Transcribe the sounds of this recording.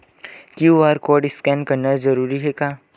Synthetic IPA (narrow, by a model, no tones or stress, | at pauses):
kjuʋaːɾkoːɖɪskɛ̃nkɐɾnad͡ʒɐɾuːɾiɦɛkaː